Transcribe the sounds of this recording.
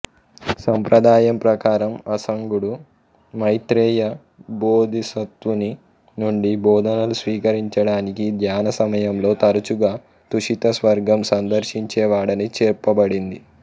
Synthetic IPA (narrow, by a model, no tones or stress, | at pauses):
sɐmpɾɐd̪aːjɐmpɾɐkaːɾɐmɐsɐŋɡuɽu | mɐjt̪ɾɛːjɐ | boːd̪ʱisɐt̪ʋuni | nuɳɖibɔːd̪ʱɐnɐlusʋiːkɐɾiɲt͡ʃɐɽaːnikid̪ʱjaːnɐsɐmɐjɐmlo̞ːt̪ɐɾut͡ʃuɡaː | t̪uʂit̪ɐsʋɐɾɡɐmsɐnd̪ɐɾʃiɲt͡ʃɛːʋaːɽɐnit͡ʃɛːɾpɐbɐɽind̪i